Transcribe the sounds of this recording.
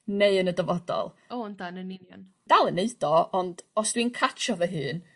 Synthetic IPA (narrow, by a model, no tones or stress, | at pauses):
neɨənədɔvɔdɔ̰lˠ | oɔndanənɪnjɔ̰n | d̥alˠəneɨd̥ɔɔnd̥ɔsd̥winkʰat͡ʃʰɔvɛɦɨːn